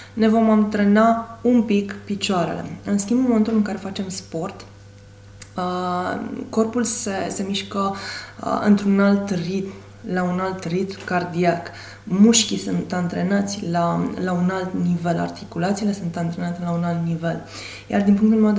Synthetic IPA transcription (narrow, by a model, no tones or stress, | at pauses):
ne̞vo̞mamt̪ɾenaumpikpit͡ʃoaɾe̞̰le̞̰ɨnskʲimbunmoment̪ulɨŋkaɾe̞fat͡ʃe̞mspo̞rt̪ | ə | ko̞rpulsese̞miʃkə̰ | ɨ̰nt̪ɾunalt̪rit̪m | launalt̪rit̪mkard̪iak | muʃkʲisunt̪ant̪ɾenat̪sʲlalaunalt̪nive̞la̰rt̪ikulat̪siːle̞sunt̪ant̪ɾe̞nat̪elaunalt̪nive̞l | ja̰rd̪inpuŋkt̪ulemed̪